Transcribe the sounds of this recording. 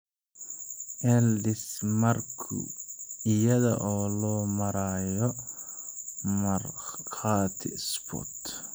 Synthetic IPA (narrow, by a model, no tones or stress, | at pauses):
ʔɛldɪsmɐrkʰʊ̰ɪjɐðɐ̰ʔɔːlɔːmɐɾaːjɔ | mɐrqaːt̪ʰɪ̰spʰɔ̰t̪